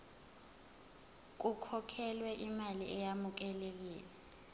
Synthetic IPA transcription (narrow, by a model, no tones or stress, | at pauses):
k̬ʼukʰɔkʰɛlwɛʔimaliʔɛjamuk̬ɛlek̬iːlɛ